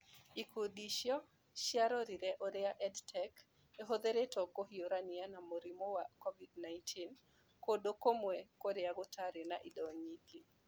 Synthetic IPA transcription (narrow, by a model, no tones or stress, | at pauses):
ikʰodiʃjɔ | ʃjaɾɔɾiɾɛʔɔɾɛaʔɛdtʰɛk | eɦod̪eɾetɔkohioɾanɪanamoɾimowakovidnajntʰin | kodokomwekoɾɛaɡɔtʰaɾenaʔidɔɲiki